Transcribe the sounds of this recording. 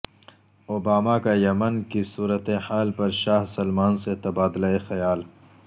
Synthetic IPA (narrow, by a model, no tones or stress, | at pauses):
obaːmakajɐmɐnkisuːɾət̪ehaːlpɐɾʃaːɦsɐlmaːnset̪ɐbaːd̪laexɐjaːl